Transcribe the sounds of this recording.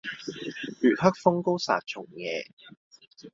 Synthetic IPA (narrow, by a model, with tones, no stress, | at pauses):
yː˨t̚hɐ˥k̚fʊ˥ŋko˥wsa̰ː˨t̚t͡sʰʊ˨˩ŋjɛ̰ː˨˧